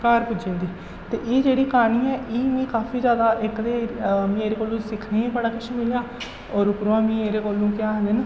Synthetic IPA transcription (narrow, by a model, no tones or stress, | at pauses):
kaːɾpʊd͡ʒẽːd̪iː | t̪eːʔeːd͡ʒeːɽiːkaːniːɛːʔiːmĩːkaːpʰiːzjaːd̪aːʔɪkd̪eːmĩeːɾeːkoːlõːsɪkʰneːĩbəɽaːkɪʃʰmɪljaː | ɔːɾʊkɾoãːmĩːeːɾeːkoːlːũːkɪjaːɦəd̪en